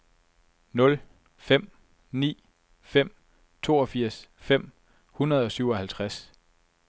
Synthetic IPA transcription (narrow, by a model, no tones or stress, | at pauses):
nɔ̽l | fem̰ | nḭː | fem̰ | t͡sʰo̝̰ːɒ̽fiɐ̰sfem̰ | hunɐð̞̩ˠɒ̽syʊɒ̽hælt͡sʰʁas